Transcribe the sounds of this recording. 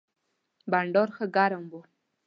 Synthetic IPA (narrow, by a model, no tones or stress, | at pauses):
baɳɖoɾxəɡaɾəmbo